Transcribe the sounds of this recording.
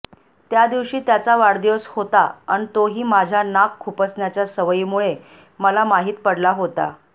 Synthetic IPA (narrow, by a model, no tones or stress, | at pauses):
t̪jad̪iʋɕiːt̪jat͡saʋaɽd̪iəshot̪aa̰ñit̪oɦiːmad͡ʑʱjanakʰːupəsnjat͡ɕjasəʋəiːmuɭe | məlamaɦiːt̪pəɽlaɦot̪a̰